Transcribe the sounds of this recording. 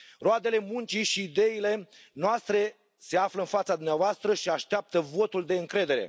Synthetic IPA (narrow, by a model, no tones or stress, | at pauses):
road̪e̞le̞munt͡ʃiʃiːd̪e̞ile̞ | noast̪ɾe̞ | se̞afləɨnfat̪sad̪umneavoast̪ɾəʃiaʃt̪eap̚t̪əvo̞t̪uld̪e̞ɨŋkɾe̞d̪e̞ɾe̞̰